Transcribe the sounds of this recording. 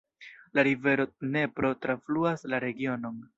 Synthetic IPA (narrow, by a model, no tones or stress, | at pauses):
laɾive̞ɾo̞ne̞pɾo̞tɾafluaslaɾe̞ɡio̞no̞n